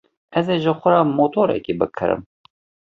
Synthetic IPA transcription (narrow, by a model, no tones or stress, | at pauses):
ɛzeːʒəxʷɐɾɑːmoːt̪ʰoːɾɛ̰kiːbɨkʰɨ̰ɾɨ̰m